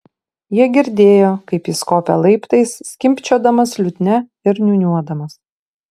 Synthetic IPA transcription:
jiɛɡʲɪɾʲd̪ʲeːjoːkɐɪpjɪskoːpʲɛ̰lˠɐɪpt̪ɐɪsːʲkʲɪmʲpʲt͡ʃʲoːd̪ɐmɐslʲʊt̪ʲnʲɛ | ɪɾnʲunʲuɔd̪ɐmɐs

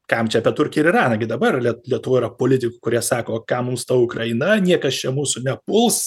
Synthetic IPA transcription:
kɐmt͡ʃʲɛɐpʲiɛt̪ʊrʲkʲɛɪɾɪrɑːnɐɡʲɪd̪ɐbɐrlʲiɛlʲiɛt̪ʊʋoːɪɾɐpoːlʲɪt̪ʲɪkʊkʊɾʲiɛsɑːkoːkɑmmʊmst̪ɐʊkrɐɪnɐnʲiɛkɐst͡ʃʲɛmuːsʊnʲɛpʊlˠs

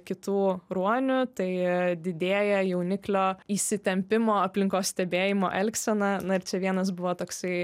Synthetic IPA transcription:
kʲɪt̪uːɾuɔnʲʊt̪ɐɪd̪ʲɪd̪ʲeːjɛjɛʊnʲɪklʲoːisʲɪt̪ʲɛmʲpʲɪmoːɐpʲlʲɪŋkoːssʲt̪ʲɛbʲeːjɪmo̰ːʔɛlʲksʲɛnɐnʊɪɾt͡ʃʲɛʋʲiɛnɐs̬bʊʋoːt̪oːksɐɪ

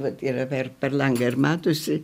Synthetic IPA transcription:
ʋɐt̪iːrɐpʲɛrpʲɛrlˠɐŋɡɐɪrmɑːt̪osʲɪ

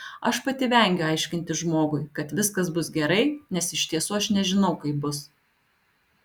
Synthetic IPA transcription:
ɐ̰ʃpɐt̪ʲɪʋʲɛˑŋʲɡʲʊɑɪʃʲkʲɪnʲt̪ʲɪʒmoːɡʊɪkɐt̪ʋʲɪskɐsbʊsɡʲɛɾɐɪnʲɛsɪʃʲt̪ʲiɛsuːɐʃnʲɛʒʲɪnɐʊkɐɪp̚bʊs

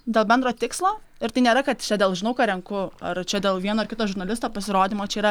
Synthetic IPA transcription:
d̪ʲeːlˠbʲɛnd̪ɾoːt̪ʲɪkslˠoː | ɪɾt̪ɐɪnʲeːɾɐkɐt̪t͡ʃʲɛd̪ʲeːlˠʒʲɪnɐʊkɑːɾʲɛŋkʊɐ̰rt͡ʃʲɛd̪ʲeːlˠʋʲiɛnoːɐrkʲɪt̪oːʒʊɾnɐlʲɪst̪oːpɐsʲɪɾoːd̪ʲimoːt͡ʃʲɛiːɾɐ

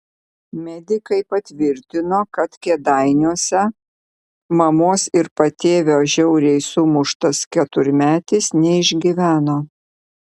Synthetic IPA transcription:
mʲɛd̪ʲɪkɐɪpɐt̪ʲʋʲɪɾʲt̪ʲɪnoːkɐt̪kʲɛd̪ɐɪnʲuɔsʲɛ | mɐmoːsɪɾpɐt̪ʲeːʋʲoːʒʲɛʊɾʲɛɪsuːmʊʃt̪ɐskʲɛt̪ʊɾʲmʲæːt̪ʲɪsnʲɛɪʒʲɡʲɪʋʲæːnoː

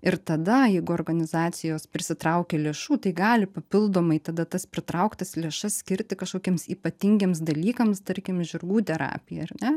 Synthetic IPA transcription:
ɪɾt̪ɐd̪ɐjɛɪɡʊoːrɡɐnʲɪzɑːt̪sʲɪjoːspʲɾʲɪsʲɪt̪ɾɐʊkʲeːlʲeːʃuːt̪ɐɪɡɑːlʲɪpɐpʲɪlˠd̪oːmɐɪt̪ɐd̪ɐt̪ɐspʲɾʲɪt̪ɾɐʊkt̪ɐslʲeːʃɐssʲkʲɪɾʲt̪ʲɪkɐʃkoːkʲimsiːpɐt̪ʲɪŋʲɡʲeːmsd̪ɐlʲiːkɐmst̪ɐɾʲkʲɪmʒʲʊɾɡuːt̪ʲɛɾɑ̰ːpʲɪjɛɐrnʲɛ

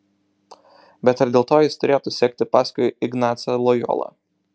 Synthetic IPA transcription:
bʲɛt̪ɐɾd̪ʲeːlˠt̪oːjɪst̪ʊɾʲeːjot̪ʊsʲɛːk̚ʲt̪ʲɪpɑːsʲkʊjɪɡnɑːt̪sʲɐlˠɔjɔ̰ːlˠɐ̰

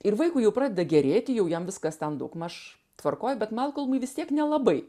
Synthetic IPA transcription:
ɪrʋɐɪkʊːjɛʊpɾɑːd̪ʲeːd̪ɐɡʲɛɾʲeːt̪ʲɪjɛʊjɛmʋʲɪskɐst̪ʲɛnd̪ɐʊkmɐʃ | t̪ʋɐrkoːjbʲɛt̪mʲɛlˠkɐlˠmʊɪʋʲɪst̪ʲiɛknʲɛlˠɐbɐɪ

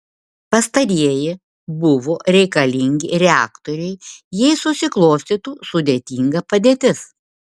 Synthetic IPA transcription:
pɐst̪ɐɾʲiɛjɪ | bʊʋoːɾʲɛɪkɐlʲɪŋʲɡʲɪɾʲɛæːkt̪oɾʲɛɪjiɛɪsʊsʲɪklˠoːsʲt̪ʲiːt̪uːsʊd̪ʲeːt̪ʲiːŋɡɐpɐd̪ʲeːt̪ʲɪs

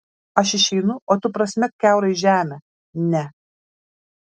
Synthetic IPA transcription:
ɐʃɪʃʲɛɪnʊoːt̪ʲʊpɾɐsʲmʲɛkʲæˑʊɾɐɪʒʲæːmʲɛ | nʲɛ

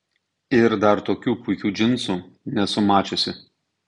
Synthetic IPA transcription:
ɪɾd̪ɐɾt̪oːkʲuːpʊɪkʲuːd͡ʒʲɪnsuː | nʲɛsʊmɑːt͡ʃʲosʲɪ

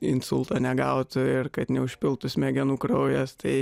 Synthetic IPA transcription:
ɪnsʊlˠt̪ɐːnʲɛɡɐʊt̪ɪrkɐt̪nʲɛʊʃʲpʲɪlˠt̪ʊsʲmʲɛɡʲɛnuːkɾɐʊjɛst̪ɐɪ

